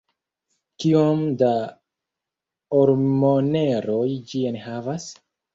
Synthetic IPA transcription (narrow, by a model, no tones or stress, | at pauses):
kiomda | oɾmone̞ɾojd͡ʒienhavas